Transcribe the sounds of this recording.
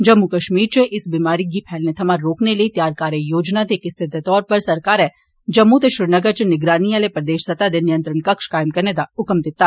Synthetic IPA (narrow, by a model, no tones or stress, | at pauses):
d͡ʒɐmːukɐʃmiːɾt͡ʃeʔɪsbiːmaːɾik̬ipʰɛːlnet̪ʰɐmaɾːoːkneleit̪jaːɾkaːɾjejoːd͡ʒnad̪ekɪst̪ʰɪd̪ʱet̪ɔːɾpɐɾsɐɾkaːɾɦɛː | d͡ʒɐmːut̪̬eʃɾɪnɐɡəɾt͡ʃnɪɡɾaːnialepɾɐd̪eːʃsɐt̪ad̪enɪjə̃nt̪ɾənkɐkʃkaːɪmkɐɾned̪aʊkəmd̪ɪt̪ːaː